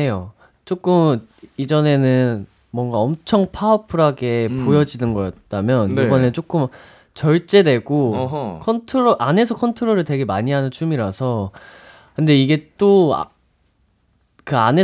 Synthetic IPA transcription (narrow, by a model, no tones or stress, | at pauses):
ejo | t͡ɕ͈ok͈ɯmid͡ʑʌne̞nɯn | mwʌŋɡaʌmt͡ɕʰʌŋpʰaʌpʰɯɾɦaɡe̞pojʌd͡ʑinɯnɡʌjʌt̚t͈amjʌnjibʌnɯt͡ɕ͈ok͈ɯm | t͡ɕʌɭt͡ɕ͈e̞dwe̞ɡokʰʌntʰoɾoʔane̞sʰʌkʰʌntʰoɾoɾɯɭtwe̞ɡe̞maɲiɦanɯnt͡ɕʰumiɾasʰʌ | kɯnde̞iɡe̞t͈o̰ | kɯane